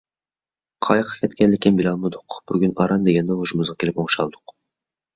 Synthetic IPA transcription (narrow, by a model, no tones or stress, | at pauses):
qʰɑjqʰɑ̥kʲʰɛt̪kʲɛlɪkʲɪnmbilʲˠɑlˠmɨd̪ʊqb̥yɡʲynɑɾɑnd̪eɡʲɛnd̪ɛhoʃumʊzʁɑkʲelɪpoŋʃɑ̰lˠd̪ʊq